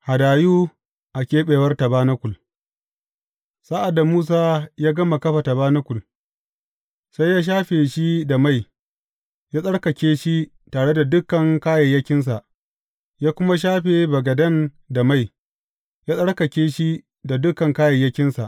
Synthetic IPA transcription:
ha˨daː˨juː˦ | ʔa˨kʲeː˦ɓeː˨wɐ˦rtɐ˨baː˦nɐ˦kʷʊ˨l | sa˦ʔa˨dːa˨muː˦s̬aː˦jaː˦ɡɐ˦ma˨kɐ˦ɸa˨tɐ˨baː˦nɐ˦kʷʊ˨l | sa˦jːaː˦ʃ̬aː˦ɸeː˨ʃi˦da˨ma˦˨j | jaː˦sʼɐ˦ɽkɐ˨kʲeː˦ʃi˦ | taː˨ɽe˦da˨dʊ˦kːɐ˨ŋkaː˦jɐ˨jɐ˦kʲɪ˦ns̬a˨ʔ | jaː˦kʷʊ˦ma˦ʃ̬aː˦ɸeː˨bɐ˨ɡɐ˨dɐ˦n | da˨ma˦˨j | jaː˦sʼɐ˦ɽkɐ˨kʲeː˦ʃi˦ | da˨dʊ˦kːɐ˨ŋkaː˦jɐ˨jːɐ˦kʲɪ˦nsa˨ʔ

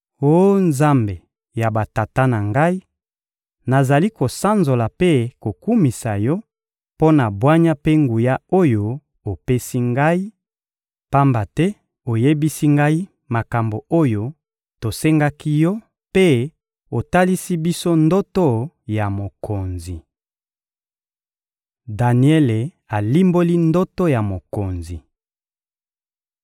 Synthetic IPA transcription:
o˦nza˦mbe˨ | ja˨ba˨ta˨ta˦na˨ŋɡa˦i˦ | na˨za˨li˦ko˨sa˦nzo˨la˨pe˦ko˨ku˦mi˨sa˨jɔ˦ | po˦na˨bwa˦ɲa˦pe˦ŋɡu˨ja˦o˦jo˦ | o˨pe˦si˦ŋɡa˦i˦ | pa˦mba˨tɛ˦ | o˨je˦bi˦si˦ŋɡa˦i˦ | ma˨ka˨mbo˨o˦jo˦ | to˨se˦ŋɡa˦ki˦jɔ˦ | pe˦ | o˨ta˦li˦si˦bi˦so˦ndo˦to˦ | ja˨mo˨kʰo˨nzi˨ | da˨ni˨ɛ˦le˨ | a˨li˦mbo˦li˦ndo˦to˦ja˨mo˨ko˨nzi˨

